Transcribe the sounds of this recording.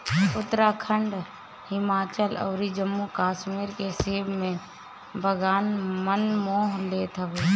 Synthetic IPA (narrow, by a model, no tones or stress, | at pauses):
ʊt̪ɾakʰəɳɖ | hɪmaːt͡ʃəlɔ̰ːɾid͡ʒəmːukaːʃmiɾkeseːbmẽ | bʱəɡaːnmənmoːɦleːt̪ʰəbe